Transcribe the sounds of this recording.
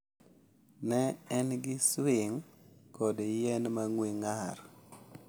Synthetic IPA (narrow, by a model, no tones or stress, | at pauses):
nɛɛnɡɪswɪŋkɔdejɛnmaŋweŋaɾ